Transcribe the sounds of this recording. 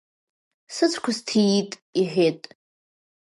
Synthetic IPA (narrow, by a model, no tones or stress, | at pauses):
sɨt͡sʷʰkʷʰastʰijitʼiħʷᶣetʼ